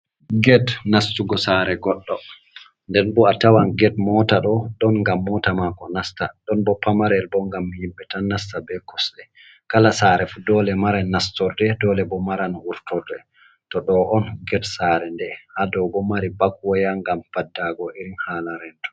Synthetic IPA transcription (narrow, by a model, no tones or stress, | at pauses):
ɡɛdnastuɡɔsaɾɛɡɔɗːɔ | ndɛnbɔatawanɡɛd̚mɔtaɗɔɗɔnŋɡamːɔtamakɔnastaɗɔnbɔpamaɾɛlbɔŋɡamːijimbɛtanastabɛkɔsɗɛ | kalasaːɾɛfudɔlɛmaɾanːastɔɾdɛdɔlɛbɔmaɾanuɾtɔɾdɛ | tɔɗɔʔɔnɡɛdsaɾɛndɛhadɔɡɔmaɾibaɡwɔjaŋɡamfadːaɡɔʔiɾinhalaɾɛntɔ̥